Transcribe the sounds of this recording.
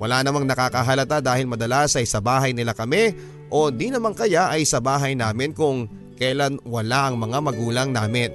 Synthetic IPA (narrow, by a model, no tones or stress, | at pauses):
wʔɐlanɐmaŋnɐkakɐɦɐlɐt̪ad̪aːhɪlmɐd̪ɐlasɐjsɐbaːɦɐjnɪlakɐmɛ | ʔo̞nd̪inɐmaŋkɐjaʔɐjsɐbaːɦɐjnaːmɪnkʊŋ | kɐjlanwɐlaʔɐŋmɐŋamɐɡuːlɐŋnaːmɪn